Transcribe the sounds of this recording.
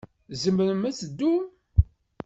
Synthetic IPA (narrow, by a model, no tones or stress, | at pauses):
zəmənəmæt͡səd̪ːu